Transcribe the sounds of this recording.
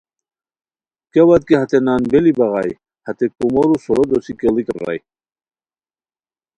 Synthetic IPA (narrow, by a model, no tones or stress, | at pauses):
kewɐt̪̚kehɐt̪enaːnbelibɐɣɑj | hɐt̪ekumoɾusoɾod̪osikelikrːa̰j